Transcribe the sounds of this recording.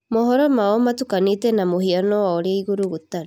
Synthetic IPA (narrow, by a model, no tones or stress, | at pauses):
mɔɦɔɾɔmaɔmatukanetɛnamohianɔwaɔɾaiɣoɾuɣotan